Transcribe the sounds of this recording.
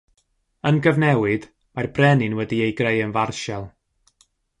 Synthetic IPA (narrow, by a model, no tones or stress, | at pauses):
ənɡəvnɛwɨd̥ | marbrɛnɨnwɛdiejɡrejənvarʃɛlˠ